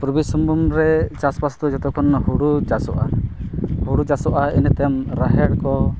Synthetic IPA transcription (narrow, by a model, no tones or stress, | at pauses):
pɾubisɔmbumɾɛt͡ʃaspast̪ɔd͡ʒɔt̪ɔkʰɔnhuɾud͡ʒasɔʔa | huɽud͡ʒasɔʔaint̪ɛmɾaɦɛɽkɔ